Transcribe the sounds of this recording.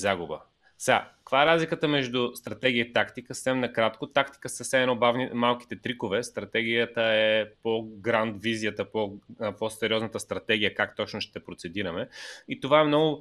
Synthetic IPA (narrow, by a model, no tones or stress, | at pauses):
zaɡʊbə̰ | sɛɡa̰kvaɛɾazlikət̪əmɛʒd̪ʊst̪ɾɐt̪ɛɡʲiəit̪akt̪ikəsə̥sɛmnɐkɾat̪kot̪akt̪i̥kəsəfsɛmɛnɔbavnimalˠki̥t̪ɛt̪ɾikovɛst̪ɾɐt̪ɛɡʲijət̪əɛpoɡɾant̪viziət̪əpoposɛɾʲiɔznət̪əst̪ɾɐt̪ɛɡ̟ʲijəkakt̪ɔt͡ʃnʊʃt̪ɛpɾot̪sɛd̪iɾɐmɛit̪ovaɛmnɔɡʊ